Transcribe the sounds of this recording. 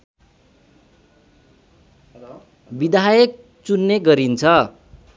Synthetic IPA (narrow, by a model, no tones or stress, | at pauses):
bid̪ʱajʌk̚ | t͡sunːeɡʌɾint͡sʰʌ